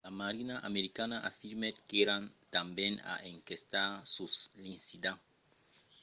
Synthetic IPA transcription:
lamaɾinaʔameɾikanaʔafiɾmet̪keɾant̪ambena̰ʔeŋkest̪asuslisid̪a

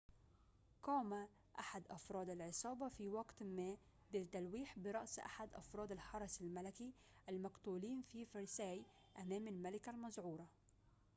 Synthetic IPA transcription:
qɑːma | ʔaħad̪ʔɑfɾˤɑːd̪alʕɪsˤɑːbɑfiwɑɡt̪mæː | bɪt̪ːalwiːħbɪɾˤɑʔsʔa̰ħad̪ʔɑ̰fɾˤɑːd̪alħɑɾˤɑsalmalaki | ʔalmaɡt̪uːliːnfifɑɾˤsæːj | ʔamæːmalmalɪkalmɑzʕuːɾˤɑ

